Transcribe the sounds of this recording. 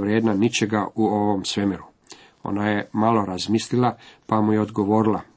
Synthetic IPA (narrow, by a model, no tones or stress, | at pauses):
ʋɾjeːd̪nanit͡ɕeɡauoʋo̞msʋemeɾu | o̰najemalˠo̞ɾazmiːslilˠapamujeod̪ɡoʋo̞ːɾilˠa